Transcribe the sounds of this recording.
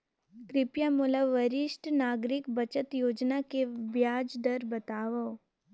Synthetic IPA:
kɾɪpjamʊləʋəɾɪʃʈnaːɡɾɪkbɐt͡ʃət̪joːd͡ʒnakebjaːd͡ʒd̪ɐɾbɐt̪aːʋə

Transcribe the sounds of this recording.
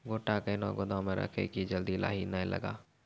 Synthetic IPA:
ɡoːʈakenɔːɡod̪ãmẽɾʔə̰kʰḛkid͡ʒəld̪ila̰ːɦinəẽlʔə̰ɡa̰ː

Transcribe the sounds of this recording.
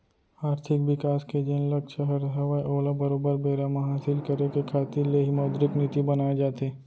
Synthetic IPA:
aːɾt̪ʰɪkʋɪkaːsked͡ʒẽnlɐkʃəɦəɾɦɐʋaeʔoːləbɐɾoːbəɾbeːɾamaɦaːsɪlkɐɾekekʰaːt̪ɪɾleɦɪmɔːd̪ɾɪknɪt̪ibɐnaːed͡ʒaːt̪eː

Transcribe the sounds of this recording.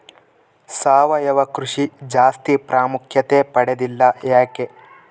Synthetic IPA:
saːʋɐjɐʋɐkɾuʂid͡ʒaːst̪ipɾaːmukʰjɐt̪eːpɐɽed̪ilːɐjaːke

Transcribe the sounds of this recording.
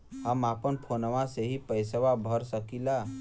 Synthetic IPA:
ɦəmapənpʰonəʋaseɦipəɪsəwabʱəɾsəkila

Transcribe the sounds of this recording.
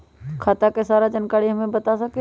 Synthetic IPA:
kʰaːt̪akesaːɾad͡ʒɐnkaːɽiɦɐmẽbɐt̪asɐke

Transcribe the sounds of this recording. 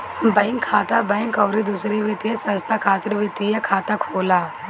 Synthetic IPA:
bɐɪ̃ŋkʰːaːt̪abɐɪ̃ŋkɔːɾid̪uːsɾeʋɪt̪iesɐ̃nst̪ʰakʰaːt̪ɾʋɪt̪ijekʰaːt̪akʰoːlaː

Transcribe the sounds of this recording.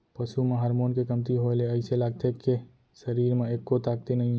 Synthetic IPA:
pəsumeɦəɾmonkekəmt̪iɦoeleəɪselaɡt̪ʰekːe | səɾiɾmeekːot̪aɡ̚t̪enəi

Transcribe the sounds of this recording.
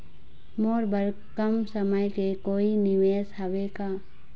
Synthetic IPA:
moːɾbəɾ | kəmsəməjkekoːinɪʋeːsɦəʋeka

